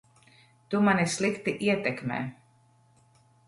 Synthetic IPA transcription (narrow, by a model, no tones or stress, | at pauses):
t̪umanislˠikt̪iʔiɛt̪ɛkmɛ̰ː